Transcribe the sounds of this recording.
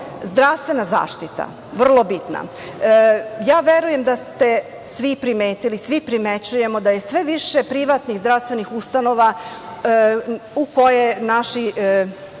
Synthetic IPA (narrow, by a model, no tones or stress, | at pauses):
zd̪ɾast̪ʋe̞naza̰ːʃt̪it̪a̰ | ʋr̩lˠo̞bit̪na̰ | jaːʋeɾuje̞md̪ast̪e̞ | sʋipɾimeːt̪ilisʋipɾimet͡ɕuje̞mo̞d̪aje̞sʋeʋiʃepɾiʋat̪niɣzd̪ɾafst̪ʋe̞nixust̪ano̞ʋa | uko̞jenaʃi